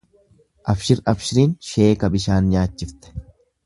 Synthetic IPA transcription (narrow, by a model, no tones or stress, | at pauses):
ʔɐfʃɪɾɐfʃɪɾiːnʃe̞ːkɐbɪʃaːnɲaːt͡ʃːɪft̪ɛ̥